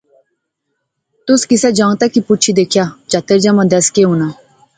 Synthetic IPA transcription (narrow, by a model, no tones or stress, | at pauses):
t̪ʊskɪsɛd͡ʒə̃ŋt̪akipʊt͡ʃʰid̪eːkʰjad͡ʒat̪əɾd͡ʒamãd̪ɛskeɦuna